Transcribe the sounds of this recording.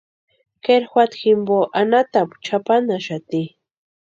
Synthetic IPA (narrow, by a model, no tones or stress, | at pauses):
keɾxwʷat̪ximboʔanat̪apt͡ʃʰapanaʃat̪i